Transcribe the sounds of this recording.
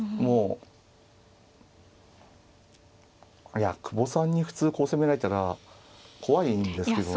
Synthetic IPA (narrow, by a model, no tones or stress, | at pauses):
moː | jakɯ̟bo̞sãɲ̟ːiɸɯ̟̥t͡sɨːko̞ːse̞me̞ɾaet̪aɾa | kʰo̞βaind̪e̞sɨ̥ke̞d̪o